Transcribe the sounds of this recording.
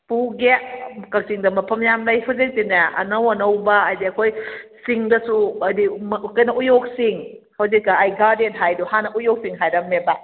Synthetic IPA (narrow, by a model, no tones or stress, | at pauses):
puɡekɐk̚siŋdɐmɐpʰɐmjamlajpʰɐzeŋtinaɐ̰nɐwɐnɐwbɐːjdiɐkʰojsiŋdɐsuɐdimkɐjnɐʔujok̚siŋ | hɐwzikːaːjɡadenɦajduhanɐʔujok̚siŋɦajɾɐmeba